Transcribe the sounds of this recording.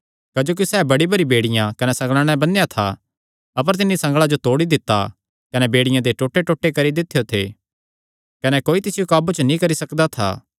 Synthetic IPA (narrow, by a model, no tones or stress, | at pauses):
kɐd͡ʒoːk̬isɛːbɐɽibɐɾibeːɽɪjãkɐnɛsɐ̃ŋɡɭaːɽ̃ɛbɐnjat̪ʰa̰ | ɐpəɾt̪̬ɪnːisɐ̃ŋɡɭad͡ʒot̪oːɽid̪ɪt̪ːa̰ | kɐnɛbeːɽɪjãd̪eʈoːʈːeʈoːʈːekɐɾid̪ɪt̪ʰːejot̪ʰḛː | kɐnɛkoːit̪ɪsɪjokaːbut͡ʃnĩkɐɾisɐkd̪at̪ʰa̰ː